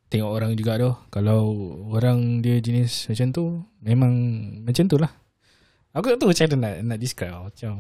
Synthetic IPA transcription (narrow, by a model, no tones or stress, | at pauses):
t̪eŋɔʔoɾaŋd͡ʒuɡaʔdɔhkalawoɾaŋdiəd͡ʒinismat͡ʃamt̪umẽmãŋmãt͡ʃamt̪ulah | akut̪ut͡ʃadanaʔnaʔdiskɾamat͡ʃam